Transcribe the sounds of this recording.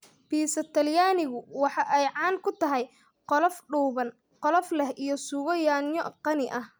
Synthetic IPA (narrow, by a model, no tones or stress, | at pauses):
b̥iːsɐt̪ʰɐljaːnɪɣʊwɑħɑʔɛjʕɑːnkʰʊt̪ʰɐɦɛj | qɔlɔfɖuːβɐn | qɔlɔflɛhʔijɞsuːɣɔjaːnjɔqɑnɪʔɐh